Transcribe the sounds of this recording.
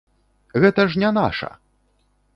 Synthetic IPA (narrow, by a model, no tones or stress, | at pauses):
ɣɛt̪ɐʐnʲɛna̰ʂɐ̰